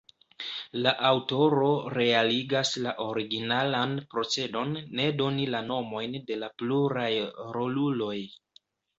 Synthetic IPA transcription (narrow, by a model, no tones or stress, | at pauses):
laʔawto̞ɾo̞ɾe̞aliɡaslaʔo̞ɾiɡinalanpɾo̞t͡se̞do̞nːe̞do̞nilano̞mo̞jnde̞lapluɾajɾo̞lulo̞j